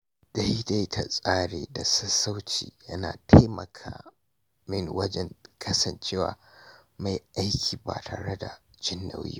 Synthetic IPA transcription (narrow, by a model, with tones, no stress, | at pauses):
d̥a˦jda˦jtʰa˨sʼaː˦ɽeː˨da˨sɐ˦sa˦wt͡ʃḭː˨jɐ˦na̰ː˨tʰa˦jmɐ̰˨kʰaː˨ | mɪ˦ŋwɐ˦d͡ʒɛ˦ŋkʰɐ˦sɐ˨nt͡ʃeː˦wa̰ː˨ma˨jʔa˦jkʲʰiː˨ba̰ː˨tʰa̰ː˨ɽe˦da˨d͡ʒɪ˦nːa̰˨wjḭ˦